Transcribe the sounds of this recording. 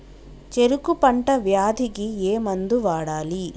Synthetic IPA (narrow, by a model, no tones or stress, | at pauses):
t͡ʃeɾukupɐɳʈɐʋjaːd̪ʱiɡieːmɐnd̪uʋaːɽaːli